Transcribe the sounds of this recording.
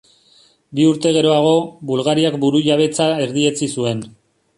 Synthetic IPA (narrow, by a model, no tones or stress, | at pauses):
biuɾt̪e̞ɣ̞e̞ɾo̞aɣ̞o̞bulɣaɾiakbuɾuʎaβ̞e̞t͡sae̞ɾðie̞t͡sisue̞n